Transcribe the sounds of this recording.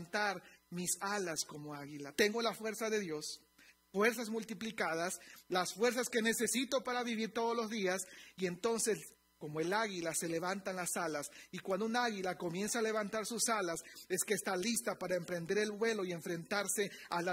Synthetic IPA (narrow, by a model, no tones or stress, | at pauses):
nt̪aɾmisalasko̞mo̞aɣilat̪e̞ŋɡo̞lafwe̞ɾsaðeðjo̞s | fwe̞ɾs̬azmult̪iplikað̞aslasfwe̞ɾs̬aske̞ne̞se̞sit̪o̞paɾaβiβiɾt̪o̞ðo̞zlo̞zðiasie̞nt̪o̞nse̞s | ko̞moe̞laɣilase̞le̞βant̪anlasalasikwand̪ounaaɣilako̞mje̞nsaːle̞βant̪aɾsusalase̞ske̞ːst̪alist̪apaɾaempɾe̞nd̪e̞ɾe̞lβwe̞lo̞ie̞ɱfɾe̞nt̪aɾse̞al